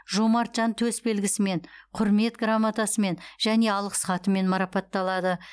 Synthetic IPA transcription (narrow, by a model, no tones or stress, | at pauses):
ʒomɑɾt̪ʒɑnt̪ʰɵsbe̞lɡʲɪsɪme̞ɴqʰʊɾme̞t̪ɡramːat̪ɑsəme̞nʒæne̞ɑlˠəqsχɑt̪əme̞nmɑɾɑpɑt̪ːɑlˠɑd̪ə